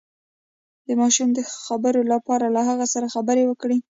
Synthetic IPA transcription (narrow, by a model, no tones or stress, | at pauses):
d̪̥əmɑʃumd̪əxabəɾolapɑɾalaɦaɣasaɾaxabəɾewəkɽi